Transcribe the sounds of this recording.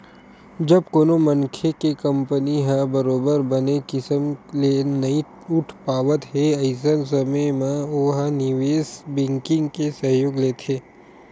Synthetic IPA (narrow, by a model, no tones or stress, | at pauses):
d͡ʒɐb̚koːnomənkʰekekə̃mpəniɦɛ̃bəɾoːbəɾbənekɪsəmlenɐĩ | ʊʈʰpaːʋət̪ɦeɐɪs̬əns̬əmemẽoːɦanɪʋeːsbɪ̃ŋkɪ̃ŋɡkesəɦjoːɡleːt̪ʰeː